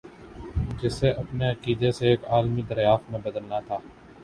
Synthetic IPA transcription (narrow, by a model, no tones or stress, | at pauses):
d͡ʒɪseʔɐpneɐkiːd̪eseːkaːlmid̪əɾjaːft̪mẽbɐd̪əlnat̪ʰaː